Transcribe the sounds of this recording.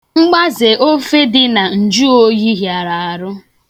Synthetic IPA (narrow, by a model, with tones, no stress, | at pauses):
ŋ͡m̩˦ɡ͡ba˦ze˨o˦fe˦dɪ˦na˨n̩˨d͡ʒu˦o˦ji˦ɦja˨ɾa˨a˨ɾʊ˦